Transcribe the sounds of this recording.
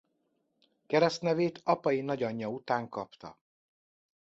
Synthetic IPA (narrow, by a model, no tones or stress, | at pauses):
kɛɾɛst̪nɛveːt̪ɒpɒjinɒɟɒɲːɒut̪aːŋkɒpt̪ɒ̰